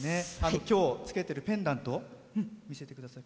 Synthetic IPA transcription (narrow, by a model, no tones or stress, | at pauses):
ne̞ano̞kʲo̞ːt͡sɨ̥ke̞t̪e̞ɾɯ̟pẽ̞nd̪ãnt̪o̞ | mʲise̞t̪e̞kɯ̟d̪asai